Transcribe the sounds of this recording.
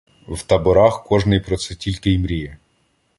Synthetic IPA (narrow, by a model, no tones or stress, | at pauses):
wt̪ɐbʊɾɑxkɔʒnɪjpɾɔt̪sɛtʲilʲkɪjmɾʲijɛ